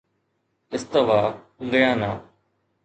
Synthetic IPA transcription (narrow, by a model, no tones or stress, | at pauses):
ɪst̪əʋaː | ɡəjãːnaː